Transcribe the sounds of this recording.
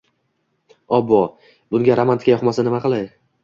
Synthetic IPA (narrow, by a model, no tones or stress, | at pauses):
ɒbːɒ | bʊŋɡʲaɾamant̪kʲajɒχmasanɪmaqɨlˠaj